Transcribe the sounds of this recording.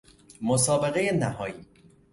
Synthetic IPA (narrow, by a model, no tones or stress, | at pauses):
mosɒːbeɣe̞jenæhɒːiː